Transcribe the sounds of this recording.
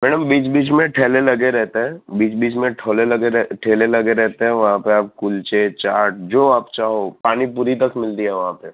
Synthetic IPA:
mɛːɽəmbiːt͡ʃbiːt͡ʃmẽʈʰeːlelɐɡeɾɛɦt̪eɦɛ̃biːt͡ʃbiːt͡ʃmẽʈʰoːlelɐɡeɛʈʰeːlelɐɡeɾɛɦt̪eɦɛ̃ʋɐɦãpeaːp̚kʊlt͡ʃet͡ʃaːɾʈ̚d͡ʒoːaːpt͡ʃaːɦopaːnipuːɾit̪̬ɐkmɪlt̪iɦɛʋɐɦãpe

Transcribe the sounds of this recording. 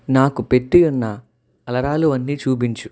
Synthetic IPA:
naːkupeʈːijunːɐ | ɐlɐɾaːluɐnːiːt͡ʃuːp̬iɲt͡ʃu

